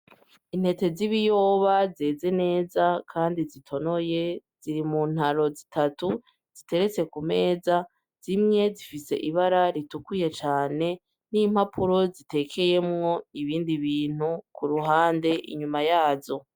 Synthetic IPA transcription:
in̥he̞te̞ziβijoːβaze̞ːze̞ne̞ːzakʰaːndizitʰo̞no̞je̞z̥iɾimun̥haɾo̞zitʰatu | z̥ite̞ɾe̞t͡se̞kume̞ːza | z̥imŋe̞zifise̞̰ʔiβaɾaɾitukuje̞t͡ʃaːne̞ | nimhapʰuɾo̞zite̞kʰe̞je̞mŋo̞iβiːndiβiːn̥hukuɾuɦaːnde̞ʔḭɲumajaːzo̞

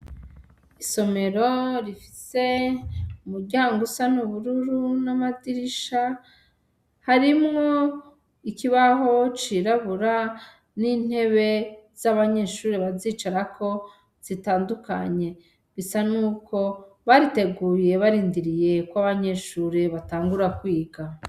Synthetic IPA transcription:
iso̞me̞ɾo̞ɾifi̥se̞ | umuɾɟaːŋɡusanuβuɾuɾunamadiɾiʃa | haɾimŋo̞ | ikiβaɦo̞t͡ʃiɾaβuɾa | nin̥he̞βe̞z̥aβaɲe̞ːʃuːɾeβaziːt͡ʃaɾakʰo̞ | z̥itaːnduka̰ɲe̞ | βisanuːko̞ | βaɾite̞ɡuːje̞βaɾiːndiɾije̞kwaβaɲe̞ʃuːɾe̞βataːŋɡuɾakwiːɡa

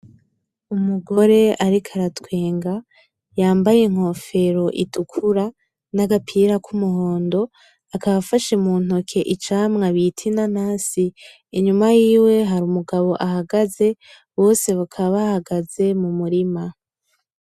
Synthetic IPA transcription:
umuɡo̞ɾe̞aɾikʰaɾatwe̞ːŋɡa | jaːmbajeŋ̥ho̞fe̞ɾo̞ʔitʰukʰuɾa | naɡapʰiːɾakʰumuho̞ːndo̞ | akaβafaʃemuːn̥o̞kʰe̞ʔit͡ʃaːmŋaβitʰinanaːsiː | ɲumajiːwe̞ɦaɾumuɡaβo̞ʔaɦaɡaze̞ | wo̞ːse̞βukʰaβahaɡaze̞mumuɾima

